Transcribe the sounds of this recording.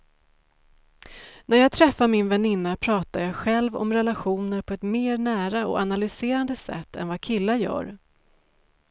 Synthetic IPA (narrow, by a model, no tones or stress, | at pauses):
næɾjɑːɡ̚t̪ʰɾɛfːaɾmɪnvɛnɪnːapʰɾɑːt̪ajɑːɡɧɛlvɔ̰mɾɛlaɧuːnəɾpʰɔɛt̪meːɾɳæːɾaɔ̰analʏseːɾand̪əsɛ̰t̪ːɛ̰nvakʰɪlːajœ̰ːɾ